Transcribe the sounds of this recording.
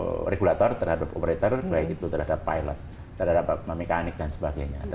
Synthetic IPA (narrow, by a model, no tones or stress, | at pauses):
reɡulat̪ɔrt̪ərhadapo̰pəɾet̪ɔrbaɪkit̪ut̪ərhadapːajlɔ̰t̪ː | ərhadapəmekanɪk̚dansəbaɡajɲa̰t̪